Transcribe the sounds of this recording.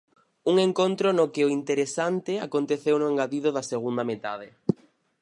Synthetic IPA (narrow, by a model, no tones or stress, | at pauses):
uŋeŋkont̪ɾonʊkɪoint̪eɾesant̪ɪakont̪eθewnʊeŋɡaðiðʊðɐseɣ̞und̪amet̪a̰ðɪ